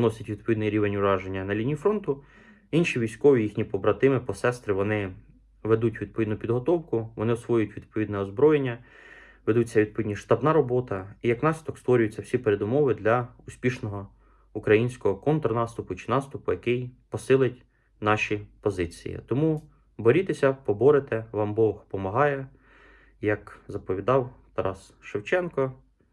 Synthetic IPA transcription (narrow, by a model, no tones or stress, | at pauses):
nɔsʲɐtʲʋʲid̪̚pɔʋʲid̪nɪjɾʲiʋenʲʊɾɑʒenʲːɐnɐlʲinʲiifɾɔnt̪ʊ | inʃiʋʲijsʲkɔʋʲijixnʲipɔbɾɐt̪ɪmɪpɔsɛst̪ɾɪʋɔnɪ | ʋed̪utʲʋʲid̪̚pɔʋʲid̪nʊpʲid̪ɦɔt̪ɔwkʊʋɔnɪɔsʋɔjʊjʊtʲʋʲid̪̚pɔʋʲid̪nɛɔzbɾɔjenʲːɐ | ʋed̪ut͡sʲːɐʋʲid̪̚pɔʋʲid̪ʲnʲiʃt̪ɑbnɑɾɔbɔt̪ɐijɐknɑsʲit̪ɔkst̪ʋɔɾʲʊjʊt͡sʲːɐwsʲipeɾed̪ʊmɔʋɪd̪lʲɐʊsʲpʲiʃnɔɦɔ | ukɾɐjinʲsʲkɔɦɔkɔnt̪ɾnɑst̪ʊpʊt͡ʃɪ̥nɑst̪ʊpʊjɐkɪjpɔsɪlˠɪtʲ | nɑʃʲipɔzɪt͡sʲḭjḭt̪ɔmu | bɔɾʲit̪esʲɐpɔbɔɾet̪ɛʋɑmbɔxpɔmɐɦɑjɛ | jɐkzɐpɔʋʲid̪ɑwt̪ɐɾɑs | ʃewt͡ʃɛnkɔ